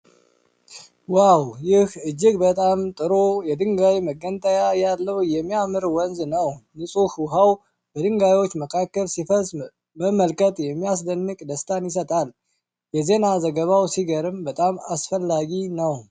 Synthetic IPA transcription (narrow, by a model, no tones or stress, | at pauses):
wawjɪhɨd͡ʒːɪɡbət̪ʼamt̪ʼɨɾojɛd̪ɨŋɡajməɡənt̪ʼəjajalːəwjɛmːijamɨɾwɔnznəwnɨsʼuhuɦaw | bəd̪ɨŋɡajo̞t͡ʃːməkʰakːəlsifəz | məmːəlkʼət̪ʼjɛmːijas̬d̪ənːɨkʼd̪əst̪ʰanjɪs̬ət̪ʼal | jɛze̞nazəɡəβawsiɡəɾɨmbət̪ʼamasfəlːaɡinəw